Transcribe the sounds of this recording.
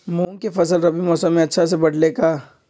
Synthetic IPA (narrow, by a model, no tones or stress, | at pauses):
muːŋkefɐsəlɾɐbimɔːsəmːẽɐtːʃʰasebɐɽleːkaː